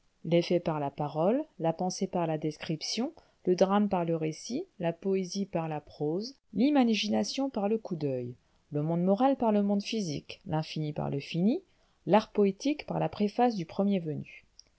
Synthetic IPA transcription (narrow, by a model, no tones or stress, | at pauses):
lefɛpaʁlapaʁɔlːapɑ̃sepaʁlad̪eskχipsjɔ̃ | ləd̪ʁampaʁləʁesilapɔezipaʁlapχoz | limaʒinasjɔ̃paʁləkud̪œj | ləmɔ̃d̪mɔʁalpaʁləmɔ̃d̪fizḭklɛ̃finipa̰ʁləfini | laʁpɔet̪ikpaʁlapχefas̬d̪ypχəmjevəny